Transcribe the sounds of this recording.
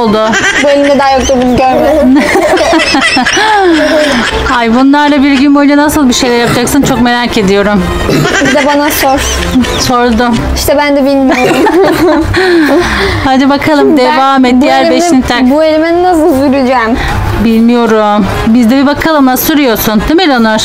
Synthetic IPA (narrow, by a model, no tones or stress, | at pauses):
olˠd̪ʊ | buelʲimd̪ɛd̪aːjok̚d̪abunuɟøɾmed̪ | hajbunlˠaɾlˠabiɾɟynbojd͡ʒanasɯlˠbiʃe̞jlʲæɾjapad͡ʒaksɯnt͡ʃʰo̞kme̞ɾaːce̞d̪ijo̞ɾum | bid̪ɛbanasoɾ | so̞ɾd̪ʊ | iʃt̪ʰɛbænd̪ɛbilʲmijoɾum | had̪ɯbakʰalˠɯmd̪evaːmɛt̪̚d̪ijæɾbeʃinit̪ʰakbuelʲimɛnnas̬ɯlˠsyɾyd͡ʒɛm | bilʲmijo̞ɾum | bizd̪ɛbibakʰalˠɯmnasyɾyjo̞ɾsund̪emilʲanoɾ